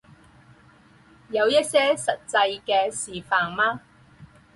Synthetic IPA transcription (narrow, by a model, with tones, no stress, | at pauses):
jɐ˨˧wjɐ˥t̚sɛː˥sɐ˨t̚t͡sɐ˧jkɛː˧siː˨˩faː˨ŋmaː˥